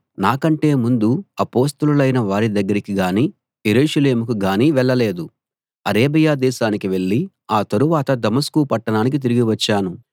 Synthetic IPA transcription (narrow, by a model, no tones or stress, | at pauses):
naːkɐɳʈe̞ːmund̪uɐpo̞ːst̪ɐlulɐjnɐʋaːɾid̪ɐɡːɐɾikiɡaːniː | jeɾuːʃɐle̞ːmukuɡaːniːʋɛɭːɐle̞ːd̪u | ɐɾeːbɐjaːd̪ɛːʃaːnikiʋe̞ɭːi | aːt̪ɐɾuʋaːt̪ɐd̪ɐmɐskupɐʈːɐnaːnik̬it̪̬iɾiɡiʋɐt͡ʃːaːnu